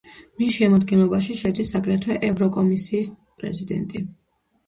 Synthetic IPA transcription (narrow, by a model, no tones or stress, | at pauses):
misʃɛmɔd̪̚ɡɛnlˠɔbaʃiʃɛd̪isːakʼɾɛt̪ʰwɛʔɛvɾɔkʼɔmisiːs | pʼɾɛ̰zid̪ɛ̰nt̪ʼi